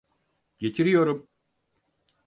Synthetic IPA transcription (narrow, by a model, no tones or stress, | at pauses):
ɟ̥e̞t̪ʰiɾijo̞ɾum